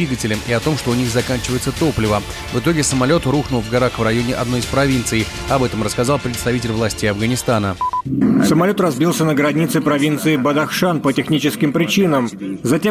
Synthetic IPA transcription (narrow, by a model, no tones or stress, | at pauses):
iɡətʲɪlʲɪmiɐt̪o̞mʂt̪oʊnʲixzɐkanʲt͡ɕɪvəjɪt̪sət̪o̞plʲɪvə | vɨt̪o̞ɡʲɪsəmɐlʲo̞t̪ruxnʊlˠvɡɐɾaxvrɐjo̞nʲɪʔɐ̰d̪no̞jɪspɾɐvʲint̪sɨj | ɐbɛt̪əmrəskɐzɑlˠpɾʲɪt̪st̪ɐvitʲɪlʲvlˠasʲtʲejɐvɡənʲɪst̪anə | səmɐlʲo̞t̪rɐzbʲilˠsʲənəɡɾɐnʲit̪sɨɪpɾɐvʲint̪sɨɪbəd̪ɐxʂanpətʲɪxnʲit͡ɕɪskʲɪmpɾʲɪt͡ɕinəmzɐtʲe